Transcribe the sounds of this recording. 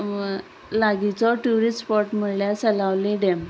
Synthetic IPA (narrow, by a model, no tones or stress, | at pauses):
laɡit͡sɔʈuɾispɔʈm̤əɽljat͡səlaʋliɖɛm